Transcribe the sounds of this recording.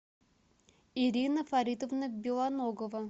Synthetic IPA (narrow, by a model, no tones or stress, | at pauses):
ɪɾʲinəfɐɾʲit̪əvnəbʲɪlˠanoɡəvə